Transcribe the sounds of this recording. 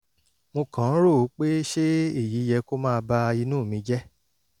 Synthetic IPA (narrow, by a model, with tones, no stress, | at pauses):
mo˧kã˨˦ɾo˦˨˦k͡pe˦ʃe˦e˦˨ji˨˦jɛ˧ko˦mãː˦˧ba˧i˧nũː˦˨mĩ˨˦d͡ʒɛ˦